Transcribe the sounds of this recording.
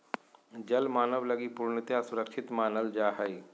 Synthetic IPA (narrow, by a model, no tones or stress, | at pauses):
d͡ʒɐlmaːnəʋlɐɡipuːɾɳɪt̪jãsʊɾəkʃʰɪt̪maːnəld͡ʒaːɦəi